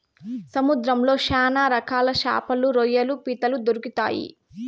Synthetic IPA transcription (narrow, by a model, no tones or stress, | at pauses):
sɐmud̪ɾɐmlo̞ːʃaːnaːɾɐkʰaːlɐʃa̰ːpɐluɾojɐlupiːt̪ɐlud̪oɾikit̪a̰ːjḭ